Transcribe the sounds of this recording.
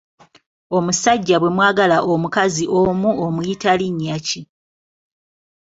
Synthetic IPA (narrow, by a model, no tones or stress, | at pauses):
o̞musaɟːaβwe̞mwaːɡalaʔomukaziʔo̞muomujitaliɲːaci